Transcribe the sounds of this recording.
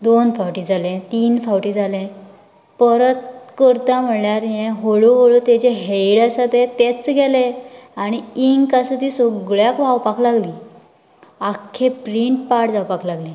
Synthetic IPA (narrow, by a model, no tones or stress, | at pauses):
d̪onfawʈid͡zʱalẽt̪iːnfawʈiːd͡zʱalɛ̃ | pəɾət̪kəɾt̪am̤əɽɳaɾjɛ̃ɦoɭoɦoɭot̪ɛt͡ɕeɦejɽasat̪et̪et͡sɡʱɛleaɽ̃iiŋɡkasət̪iːsoɡɭjakʋ̤awpaklaɡliː | akʰːepɾiɳʈpaʈd͡zawpaklaɡlẽ